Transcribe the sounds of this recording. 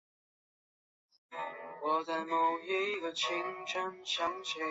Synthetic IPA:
wɔ˨˩t͡sa˧˩ɪmo˨˩ʊjɛ˥˦i˥˩ɡə˨t͡ɕʰi˧˥ŋʈ͡ʂʰə˥nɕʰjɑ˧˥˦ŋt͡ɕʰɛ˧

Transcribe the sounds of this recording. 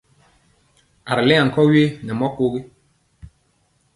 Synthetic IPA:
a˨ɾlɛ˦a˨kɔ˦ɥe˦nɛ˨mɔ˦ko˦ɣi˦

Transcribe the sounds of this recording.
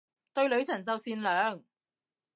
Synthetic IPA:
t̪ɵ˧ɥlɵ˨˧ɥt͡sʰɐ˨˩nt͡sɐ˨wsiː˧nlœː˨˥ŋ

